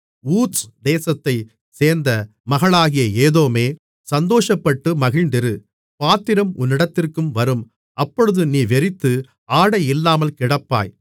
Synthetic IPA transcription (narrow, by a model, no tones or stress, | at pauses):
uːsd̪eːsɐt̪ːɐɪ | seːɾnd̪ɐ | mɐɣɐɭaːɣɪjɐeːðoːmeː | sɐnd̪oːʂɐpːɐʈːɯmɐɣɪɻɳd̪ɪɾɯ | paːt̪ːɪɾɐmʊ̰nːɪɽɐt̪ːɪrkɯmʋɐɾɯm | ʔɐpːɔɻɯðɯniːʋɛɾɪt̪ːɯ | aːɽɐjɪlːaːmɐlkɪɽɐpːa̰ːj